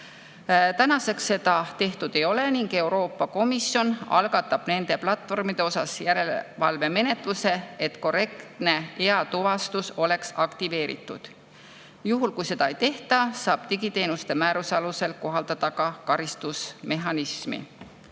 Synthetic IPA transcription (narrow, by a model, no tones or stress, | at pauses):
t̪ænɑse̞ksːe̞d̪̥ɑt̪e̞ht̪ud̪̥e̞jo̞le̞niŋɡ̥e̞wɾo̞ːpːɑko̞misjo̞nɑ̰lɡɑt̪ːˑɑb̥ne̞nd̪̥e̞plɑt̪ːˑvo̞rmid̪̥e̞o̞sɑsjæɾe̞lvɑlve̞me̞ne̞t̪ˑluse̞et̪ko̞re̞kt̪ne̞eɑt̪uvɑst̪uso̞le̞ksɑkt̪ive̞ːɾḭt̪ˑːud̪̥ | juɦulkujse̞d̪̥ɑejt̪e̞ht̪ɑsɑːb̥t̪iɡit̪e̞ːnust̪e̞mæːɾusɑluse̞lko̞ɦɑld̪̥ɑd̪̥ɑkɑkɑɾist̪usme̞ɦɑnismḭ